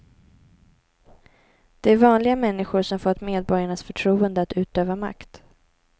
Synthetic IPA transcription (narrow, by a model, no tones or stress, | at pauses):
d̪̥ɛæɾvɑːnlɪɡamɛnːɪɧʊɾʂɔmfɔt̪ːmeːd̪̚bɔɾjaɳasfœʈʰɾuːənd̪əat̪ʉ̟ːt̪øːvama̰kt̪